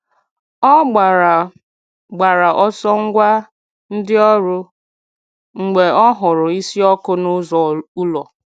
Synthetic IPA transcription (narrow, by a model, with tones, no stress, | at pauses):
ɔ˦˨ | ɡ͡ba˨ɾa˨ʔɔ˦sɔ˦ŋ̩˦ɡʷa˦ | n̩˦dɪ˦ɔ˦ɾʊ˦ | ŋ͡m̩˨ɡ͡be˨ɔ˦ɦʊ˨ɾʊ˨i˦si˦ɔ˦kʊ˦nʊ˦zɔ˨u˦lɔ˨